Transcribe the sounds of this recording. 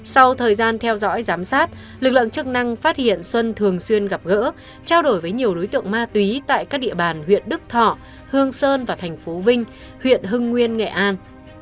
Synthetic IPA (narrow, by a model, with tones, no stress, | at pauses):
sa˧wt̪ʰəː˨˩jzaː˧nt̪ʰɛ˧wzɔ̰˧˥jzaː˨˦msaː˦˥t̚ | lɨ˨˩k̚lɨ̰˧˨ŋt͡ɕɨ˦˥k̚na˧ŋfaː˦˥t̚hḭ˧˨ənswə˧nt̪ʰɨ˨˩əŋswi˧ənɣa˨˩p̚ɣə̰ː˧˥ | t͡ɕaː˧wɗo˧˩jvəː˨˦jɲi˨˩əwɗo˨˦jt̪ɨ̰˧˨əŋmaː˧t̪wi˨˦t̪a̰ː˧˨jkaː˦˥k̚ɗḭ˧əɓaː˨˩nhwḭ˧˨ənɗɨ˦˥k̚t̪ʰɔ̰˧˨ | hɨ˧əŋsəː˧nvaː˨˩t̪ʰɛ˨˩jŋ̟fo˨˦vï˧ŋ̟ | hwḭ˧˨ənɦɨ˧ŋːwi˧ənŋḛ˧˨ʔaː˧n